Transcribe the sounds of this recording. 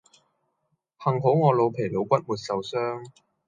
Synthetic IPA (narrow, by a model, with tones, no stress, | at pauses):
hɐ˨˩ŋɦo˨˥wŋɔː˨˧lo˨˧wpʰe˨˩jlo˨˧wkʷɐ˥t̚muː˨˧t̚sɐ˨˧wsœː˥ŋ